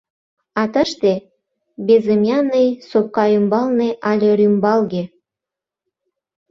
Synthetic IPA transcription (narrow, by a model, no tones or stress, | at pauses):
ɑt̪əʃt̪e | bezəmjɑnəjsop̚kɑymbɑlneʔɑlʲeɾymbɑlɣe